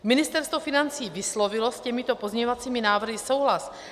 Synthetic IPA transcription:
mɪnɪst̪ɛɾst̪vo̞fɪnant͡siːvɪslo̞vɪlo̞scɛmɪt̪o̞pozɲɛɲovat͡siːmɪnaːvr̩ɦɪso̞wɦlas

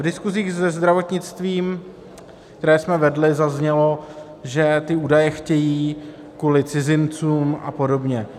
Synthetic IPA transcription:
vdɪskuziːɣzɛzd̪ɾavo̞t̪ɲɪt͡st̪viːm | kt̪ɛɾɛːsmɛvɛdlɪzazɲɛlo̞ | ʒɛt̪ɪuːdajɛxcɛjiː | kuːlɪt͡sɪzɪnt͡suːmʔa̰po̞do̞bɲɛ

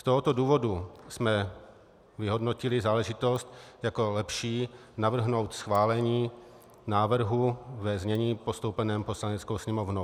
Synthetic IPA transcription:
st̪oɦot̪o̞duːvo̞dusmɛ | vɪɦo̞dno̞cɪlɪzaːlɛʒɪt̪o̞st̪jako̞lɛpʃiː | navr̩ɦno̞wt̪sxvaːlɛɲiː | naːvr̩ɦuvɛzɲɛɲiːpo̞st̪owpɛnɛːmpo̞slanɛt͡sko̞wsɲɛmovnow

